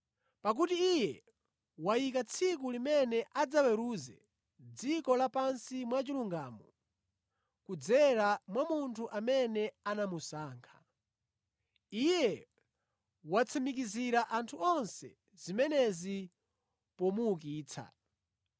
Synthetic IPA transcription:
pak̬utiːjɛ | wajik̬at͡sʰik̬ulimɛnɛʔad͡zawɛɾuzɛ̰ | d͡zikɔlapansimwat͡ʃiluŋɡaːmɔ | kud͡zɛɾamwamuntʰuʔamɛnɛanamusaːŋkʰḁ | ijɛ | wat͡sʰamik̬iziɾaʔantʰuɔnsɛ̰ | zimɛnɛzi | pɔmuːk̬iːt͡sʰa̰

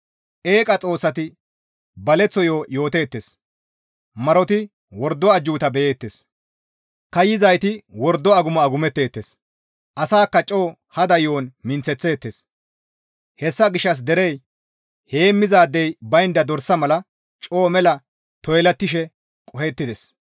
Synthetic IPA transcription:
e̞ːkʼɐt͡sʼo̞ːsːɐt̪ɪ | bɐlɛt͡sːɔjo̞ːjo̞ːt̪e̞ːt̪ːes | mɐɾɔt̪ɪ | wɔɾd̪ːɔɐd͡ʒːuːt̪ɐbɛjeːt̪ːe̞ːs | kɐjɪzɐjt̪ɪwɔɾd̪ːɔɐɡʊmɐɐɡʊmɛt̪ːe̞ːt̪ːes | ʔɐsaːkːɐt͡ʃʼo̞ː | hɐd̪ɐjoːnmɪnt͡sːɛt͡sːe̞ːt̪ːeːs | hɛsːɐɡɪʃːɐs̬d̪ɛɾɛj | he̞ːmːɪzaːd̪ːɛjbɐjnd̪ɐd̪ɔɾsːɐmɐlɐ | t͡ʃʼo̞ːmɛlɐ | t̪ɔjlɐt̪ːɪʃɛ | kʼɔhɛt̪ːɪd̪ɛs

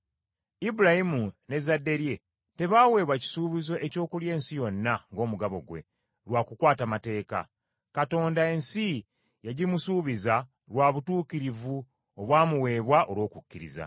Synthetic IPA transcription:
ibuɾahimune̞zadːe̞ɾje̞ | te̞βaːwe̞ːβwaci̥suːβizo̞ʔe̞co̞ːkulje̞ːnsijo̞nːaŋɡo̞ːmuɡaβo̞̰ɡwe̞̰ | lwakukwaːtamate̞ːka̰ | kato̞ːndae̞nsi | jaɟimusuːβiza | lwaːβutuːkiɾivu | oβwaːmuwe̞ːβwaʔo̞lo̞ːkukːiɾḭza̰

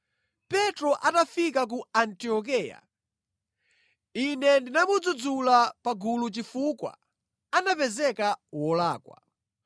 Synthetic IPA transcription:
pɛtɾɔʔatafikak̬uantiɔk̬ɛːja̰ | inɛndinamud͡zud͡zulapaɡulut͡ʃifukwa̰ | anapɛzɛkawɔlaːkwa̰

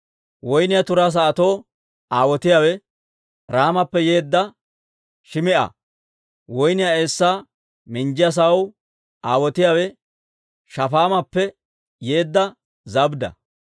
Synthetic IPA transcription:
wɔjnɪjat̪ʊɾaːs̬ɐːt̪oː | aːwɔt̪ɪjaːwɛ | ɾaːmɐpːɛje̞ːd̪ːɐ | ʃɪmɪʔɐ̰ | wɔjnɪjaesːaː | mɪnd͡ʒɪjɐs̬ɐw | aːwɔt̪ɪjaːwɛ | ʃɐfaːmɐpːɛ | jeːd̪ːɐ | zɐbd̪ɐ̰

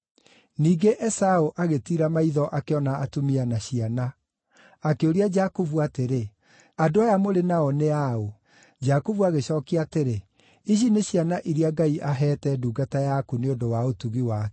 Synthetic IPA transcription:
niːɡeʔɛsaoʔaɣetiɾamaiðɔʔakeɔnaːtomianaɕianaː | keoɾiad͡ʒakovuateɾe | adoajamoɾenaɔneao | d͡ʒakovuaɣeɕɔːkiateɾe | iɕ̬ineɕianaʔiɾiaɡaiʔaɦɛtɛduːɡatajakuneondowaotuɣiwa

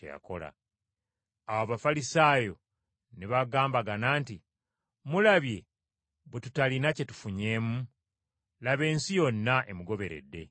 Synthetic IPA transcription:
eja̰ko̞la̰ | awaβafalisaːjo̞ | niβaɡaːmbaɡanaːnti | mulaβje̞ | βwetutalinace̞tu̥fuɲe̞ːmu | laβe̞ːnsijo̞nːaʔe̞muɡo̞βe̞ɾe̞̰dːe̞̰

